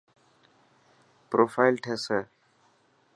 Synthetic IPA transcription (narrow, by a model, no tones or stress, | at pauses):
pɾoːfajlʈʰese